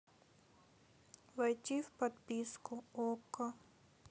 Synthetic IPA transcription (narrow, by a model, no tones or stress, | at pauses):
vɐjtʲifpɐt̪pʲiskʊokə